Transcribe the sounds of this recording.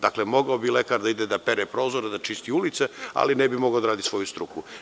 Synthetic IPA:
d̪̥aklemo̞ɡaobilekaːɾd̪aid̪ed̪apeɾepɾo̞ːzoɾed̪at͡ʃist̪iulit̪sea̰linebimo̞ɡaod̪aɾaːd̪isʋo̞just̪ɾuku

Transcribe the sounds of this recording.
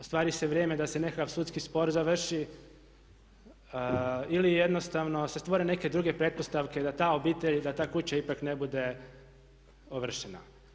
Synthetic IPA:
ost̪ʋaːɾiseʋɾjeːme̞d̪ase̞ne̞kakaʋsuːt̪skispo̞ɾzaʋr̩ʃi | ilijed̪no̞st̪aʋno̞se̞st̪ʋo̞ɾe̞ne̞ke̞d̪ɾuɡe̞pɾe̞d̪̚po̞st̪aʋke̞d̪at̪aːo̞biːt̪e̞ʎd̪at̪aːkut͡ɕaipakne̞bud̪e̞ | oʋr̩ʃena̰

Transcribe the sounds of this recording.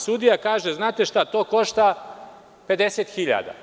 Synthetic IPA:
sud̪ijakaːʒeznaːt̪e̞ʃt̪at̪o̞ːko̞ʃt̪a | pe̞d̪e̞set̪xiʎa̰d̪a̰

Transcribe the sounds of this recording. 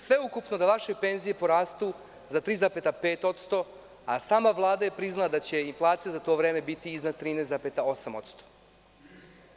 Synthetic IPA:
sʋe̞ukupno̞d̪aʋaʃe̞pe̞nzije̞po̞ɾaːst̪u | zat̪ɾiːzapet̪apeːt̪o̞t̪st̪o̞ | a̰saːmaʋlˠaːd̪aje̞pɾiznalˠad̪at͡ɕe̞inflˠaːt̪sijazat̪o̞ːʋɾe̞ːme̞bit̪iiznad̪̚t̪ɾiːnejsapet̪ao̞samo̞̰t̪st̪o̥

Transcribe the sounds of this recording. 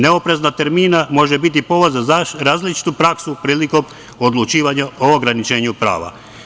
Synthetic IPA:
ne̞opɾe̞znat̪e̞ɾmiːnamo̞ʒebit̪̬ipo̞ʋozaɾaːzlit͡ʃi̥t̪upɾaksupɾiːliko̞m | od̪lˠut͡ʃiːʋaɲaooɡɾanit͡ʃe̞ːɲupɾa̰ːʋa̰

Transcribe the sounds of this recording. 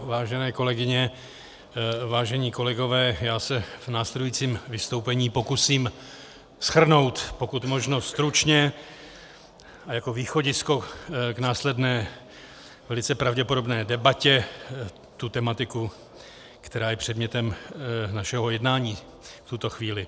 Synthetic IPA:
vaːʒɛnɛːko̞lɛɡɪɲɛ | vaːʒɛɲiːko̞lɛɡo̞vɛːjaːsɛvnaːslɛdujiːt͡siːmvɪst̪o̞wpɛɲiːpo̞kusiːm | sxr̩no̞wt̪po̞kut̪mo̞ʒno̞st̪ɾut͡ʃɲɛ | ajako̞viːxo̞ɟɪsko̞ɡnaːslɛdnɛː | vɛlɪt͡sɛpɾavɟɛpo̞do̞bnɛːdɛbacɛ | t̪ut̪ɛmat̪ɪku | kt̪ɛɾaːjɛpr̥ɛdmɲɛt̪ɛmnaʃɛɦo̞jɛdnaːɲiː | ft̪ut̪o̞xviːlɪ

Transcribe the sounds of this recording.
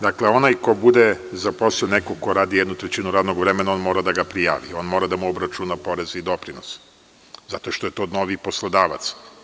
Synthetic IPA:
d̪akleo̞najko̞bud̪ezaposinekoko̞ɾaːd̪ijed̪nut̪ɾet͡ɕinuɾad̪noɡʋɾemenao̞nmo̞ːɾad̪aɡapɾija̰ːʋḭo̞ːnmo̞ːɾad̪amuobɾat͡ʃunapo̞ɾe̞zid̪o̞pɾinos | zat̪o̞ʃt̪o̞je̞t̪onoʋiposlˠod̪aːʋa̰t̪s

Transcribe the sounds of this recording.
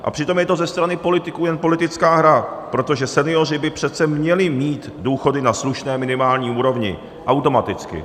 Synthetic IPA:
ʔa̰pr̝̥ɪt̪o̞mjɛt̪o̞zɛst̪ɾanɪpo̞lɪt̪ɪkuːjɛnpo̞lɪt̪ɪt͡skaːɦɾapɾo̞t̪o̞ʒɛsɛnɪo̞r̝ɪbɪpr̝̥ɛt̪t͡sɛmɲɛlɪmiːt̪ | duːxo̞dɪnasluʃnɛːmɪnɪmaːlɲiːuːɾo̞vɲɪ̰ | ʔawt̪o̞mat̪ɪt͡skɪ̰

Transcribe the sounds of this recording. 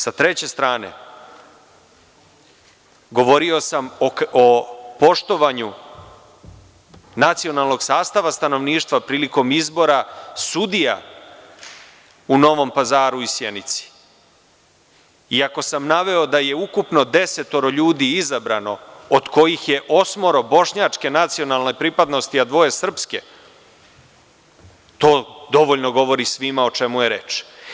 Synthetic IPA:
sat̪ɾe̞t͡ɕe̞st̪ɾaːne̞̰ | ɡo̞ʋo̞ɾio̞samopo̞ʃt̪o̞ʋaɲu | nat̪sio̞nalˠno̞ɡ̥saːst̪aʋast̪ano̞ʋniːʃt̪ʋapɾiːliko̞mizbo̞ɾasud̪ija̰ | uno̞ʋo̞mpazaːɾuisjenit̪si̥ | iako̞samnaʋe̞o̞d̪aje̞ukupno̞d̪e̞se̞t̪oɾo̞ʎuːd̪iizabɾano̞od̪ko̞jixje̞ʔosmo̞ɾo̞bo̞ʂɲat͡ʂke̞nat̪sio̞nalˠne̞pɾipad̪no̞st̪iad̪ʋo̞je̞sr̩pske̞ | t̪o̞ːd̪o̞ʋo̞ʎno̞ɡo̞ʋo̞ɾisʋimao̞t͡ʃe̞mujeɾe̞t͡ʃ

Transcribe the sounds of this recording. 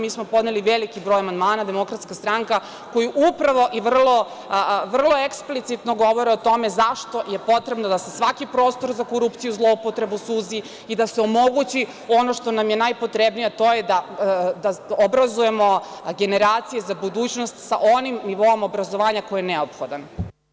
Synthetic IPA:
miːsmo̞po̞d̪ne̞liʋelikibɾoːjamand̪maːnad̪e̞mo̞kɾat̪skast̪ɾaŋka | ko̞juʔupɾaʋo̞ʔiʋr̩lˠo̞ | ʋr̩lˠo̞eksplit̪sit̪noɡo̞ʋo̞ɾɛot̪o̞me̞zaʃt̪o̞jepo̞t̪ɾe̞bnod̪asesʋakipɾo̞ːst̪o̞ɾzakoɾupt̪sijuzlˠo̞upot̪ɾe̞busuzi | id̪aseomo̞ɡut͡ɕi | o̞no̞ʃt̪o̞namjenajpo̞t̪ɾebnijat̪ojed̪ad̪aobɾazuje̞mo̞ɡe̞ne̞ɾaːt̪sijezabud̪uːt͡ɕnost̪sa̰ʔo̞nimniʋo̞omo̞bɾazoʋaːɲako̞jieneopxod̪an

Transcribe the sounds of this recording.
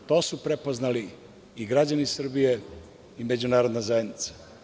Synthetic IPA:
t̪o̞ːsupɾepo̞znali | iɡɾad͡ʑanisr̩bije | ime̞d͡ʑunaːɾo̞d̪nazajed̪nit̪sḁ

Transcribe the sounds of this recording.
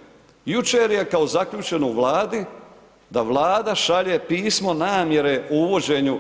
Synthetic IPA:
jut͡ʃe̞ːɾje̞kao̞zakʎuːt͡ʃe̞nouʋlˠaːd̪i | d̪aʋlˠaːd̪aʃaʎeːpiːsmo̞naːmje̞ɾe̞uuʋo̞d͡ʑe̞ːɲu

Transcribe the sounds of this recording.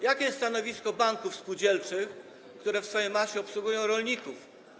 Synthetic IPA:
jakʲɛsːt̪anɔvʲiskɔbaŋkufspud͡ʑɛlt͡ʂɘx | kt̪uɾɛfsfɔjejmaɕɛɔpswuɡujɔ̃w̃ɾɔlɲikuf

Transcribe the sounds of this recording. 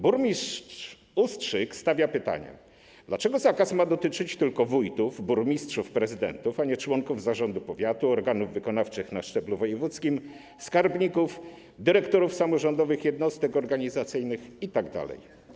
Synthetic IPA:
buɾmʲis | ustʂɘkst̪avʲjapɘt̪a̰ɲɛ̰ | d̪lat͡ʂɛɡɔzakasmad̪ɔt̪ɘt͡ʂɘt͡ɕt̪ɘlkɔvujt̪uvbuɾmʲistʂufpɾɛzɘd̪ɛ̰nt̪ufaɲɛt͡ʂwɔŋkuvzaʐɔnd̪upɔvʲjat̪uɔɾɡanuvːɘkɔnaft͡ʂɘxnaʂt͡ʂɛbluvɔjɛvut̪skʲim | skaɾbɲikuf | d̪ɘɾɛkt̪ɔɾufsamɔʐɔnd̪ɔvɘxjɛd̪nɔst̪ɛkɔɾɡaɲizat̪sɘjnɘxit̪aɡd̪a̰lɛ̰j

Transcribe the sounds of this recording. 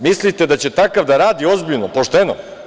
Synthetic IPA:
mislit̪e̞d̪at͡ɕe̞t̪akaʋd̪aɾaːd̪io̞zbiʎnopo̞ʃt̪eno̰

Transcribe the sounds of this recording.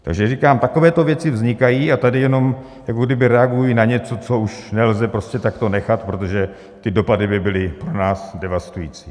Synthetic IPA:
t̪a̰ɡʒɛrikaːmt̪ako̞vɛːt̪o̞vjɛt͡sɪvzɲɪkajiːat̪adɪjɛno̞m | jakoɡdɪbɪɾɛaɡujinaɲɛt͡so̞t͡so̞uʃnɛlzɛpɾo̞scɛt̪akt̪o̞nɛxat̪pɾo̞t̪̬o̞ʒɛ | t̪ɪdo̞padɪbɪbɪlɪpɾonaːsdɛvast̪ujḭːt͡siː

